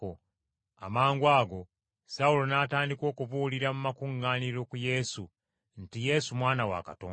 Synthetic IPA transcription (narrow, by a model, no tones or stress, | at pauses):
o | a̰maːŋɡwaːɡo̞ | saulo̞naːtaːndiko̞ːkuβuːliɾamumakuŋːaːniɾo̞kuje̞su | ntije̞sumwaːnawa̰kato̰ː